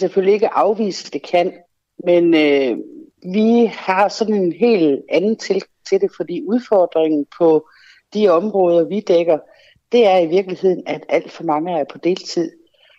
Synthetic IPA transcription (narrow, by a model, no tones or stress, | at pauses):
seføl̰lie̝ɡ̥əʔɑ̈ʊʋḭːsə̥d̥e̝kʰæn̰ | menø | ʋihɑ̈sɒ̽d̥n̩e̝nɦe̝̰ːlænn̩t͡sʰe̝lɡ̥ɑŋt͡sʰe̝d̥e̝fɒ̽d̥ḭːuð̞ˠfɒːd̥ʁeŋn̩pʰɒ̽ | d̥iɒ̽mʁɔ̽ːð̞ˠɐʋid̥eɡ̥ɐ | d̥e̝æɐiʋiɐɡ̥lihe̝ð̞̰ˠn̩æd̥æl̰d̥fɒ̽mɑ̈ŋəæɐpʰɒ̽d̥e̝̰ːlt͡sʰið̞̰ˠ